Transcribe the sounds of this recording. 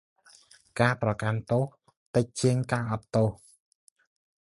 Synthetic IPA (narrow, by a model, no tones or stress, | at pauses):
kaːprɑkant̪oh | t̪ɨc̚t͡ɕiəŋkaːʔɑt̪t̪ːoh